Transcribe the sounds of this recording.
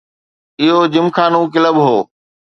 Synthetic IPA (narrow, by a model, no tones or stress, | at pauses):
ɪɦod͡ʑɪmkaːnũːk̬ɪləbɦoː